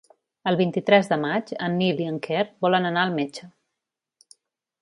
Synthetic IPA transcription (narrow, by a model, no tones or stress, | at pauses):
əlˠβint̪it̪ɾɛzðəmad͡ʒənːiliəŋkʰerbɔlənənaəlˠmet͡ʃə